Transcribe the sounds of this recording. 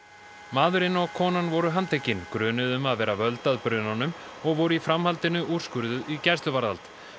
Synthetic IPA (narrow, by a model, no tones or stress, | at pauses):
maːðʏɾɪnɔɣkʰɔːnanvɔɾʏɦant̪ʰecːɪnkɾœːnʏðʏmaðvɛːɾavœlt̪aðpɾʏnanʏm | ɔɣvɔwɾʏifɾamhalt̪ɪnʏʔur̥skʏɾðʏðicɛrst̪lʏvaɾða̰lt̪